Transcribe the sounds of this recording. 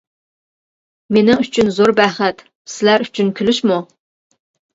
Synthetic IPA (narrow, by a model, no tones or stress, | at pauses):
menɪŋyt͡ʃʰynzoɾbæχɛt̪ | sɪlæɾy̥t͡ʃʰynkʲʰylyʃmu